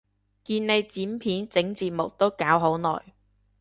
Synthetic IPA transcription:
kiː˧nne˨˧jt͡siː˨˥mpʰiː˨˥nt͡sɪ˨˥ŋt͡siː˧t̚mʊ˨k̚t̪o˥wkaː˨˥wɦo˨˥wnɔ̰ː˨j

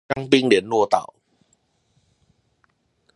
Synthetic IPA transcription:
a˦ŋpi˦ŋli˨˦nːu˥˧˨t̪a̰˨˩w

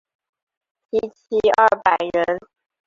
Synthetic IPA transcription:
i˥t͡ɕʰi˥ɐ˥˧˩pa˨˩ɪɻə˧˦˥n

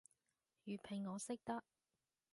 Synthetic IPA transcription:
jyː˨˩pʰɪ˨˩ŋːɔː˨˧sɪ˥k̚t̪ɐ˥k̚

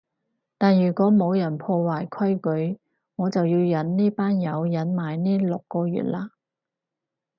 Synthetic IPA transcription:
t̪aː˨njyː˨˩kʷɔː˨˥mo˨˧wjɐ˨˩npʰɔː˧waː˨˩jkʰɐ˥jkɵ˨˥ɥ | ŋɔː˨˧t͡sɐ˨wjiː˧wjɐ˨˥nniː˥paː˥njɐ˨˧wjɐ˨˥nmaː˨˩jniː˥lʊ˨kːɔː˧jy̰ː˨t̚laː˧

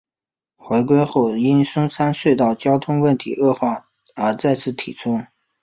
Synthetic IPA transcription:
xwe˧˥ɪk̬we˥ɪxo˥˩ʊi˥nsʊ˥ŋsʰa˥nswe˥˧ɪt̪ɑ˥˩ʊt͡ɕjɑ˥ʊt̪ʰʊ˥ŋwə˥˩nt̪ʰḭ˧˥ʔɤ˥˧xwɑ˥˩ | ə˞˧˥t͡sa˥˧ɪt͡sʰɹ̩˥˩t̪ʰḭ˨˩t͡sʰʊ˥ŋ

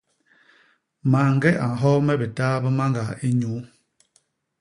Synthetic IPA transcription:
ma˨ŋ˦ɡɛ˦ʔa˨ɦɔ˦mɛ˦bə˨taː˦bə˦ma˦ŋɡa˨i˦ɲu˨˦

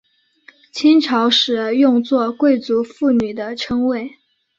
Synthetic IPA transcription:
t͡ɕʰi˥nʈ͡ʂʰɑ˧˥ʊʂɻ̩˨˩jʊ˥˧ŋt͡swɔ˥˧kwe˥˩ɪt͡su˧˥fu˥˩ny˨˩d̪ə˦ʈ͡ʂʰɤ˥ŋwe˥˩ɪ

